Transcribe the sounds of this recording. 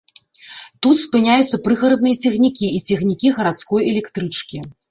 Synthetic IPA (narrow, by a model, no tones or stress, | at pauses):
t̪ut̪spɨnʲajut̪sːɐpɾɨɣɐɾɐd̪̚nɨjɐt͡sʲɛxnʲikʲiːt͡sʲɛxnʲikʲiɣɐɾat̪skɔjɛlʲɛkt̪ɾɨt͡ʂkʲi